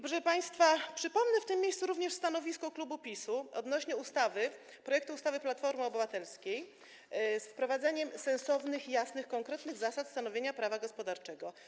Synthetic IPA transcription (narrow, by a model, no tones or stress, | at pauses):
bʐɛpaj̃st̪fapʂɘpɔmnɛft̪ɘmʲːjejssuɾuvɲɛʂst̪an̪ɔvʲiskɔklubupʲisuɔd̪nɔɕɲɛust̪avɘ | pɾɔjɛkt̪uːst̪avɘplat̪fɔɾmɨɔbɘvat̪ɛlskʲej | sfpɾɔvad̪zaɲɛmsɛ̃ñsɔvnɘxjasnɘxkɔŋkɾɛt̪nɘɣzasat̪st̪anɔvʲjeɲapɾavaɡɔspɔd̪aɾt͡ʂɛɡɔ